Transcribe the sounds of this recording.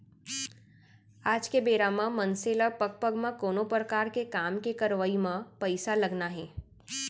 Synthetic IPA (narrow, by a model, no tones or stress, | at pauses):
aːd͡ʒkebeːɾamãmə̃nseːləpəɡ̚pəɡmãkoːnopɾəkaːɾkekaːmkekɐɾʋəimãpɐɪsalɐɡnaɦɛː